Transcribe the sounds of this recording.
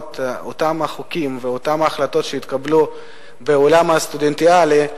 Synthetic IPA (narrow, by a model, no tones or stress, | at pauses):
totamaχukimveotamaːχlato̞tʃeit̪kablu | beolamhast̪udentiali